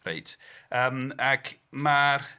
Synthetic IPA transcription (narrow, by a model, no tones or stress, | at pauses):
rḛjtʰəːmakʰmar